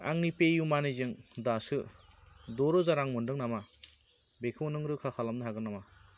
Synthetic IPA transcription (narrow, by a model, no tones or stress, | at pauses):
a̰ŋnipejumanizɯŋdasɯ | dɔɾɔzaɾaŋmɯndɯŋnama | bekʰɯwnɯŋɾɯkʰakʰalamnɯɦaɡɯnama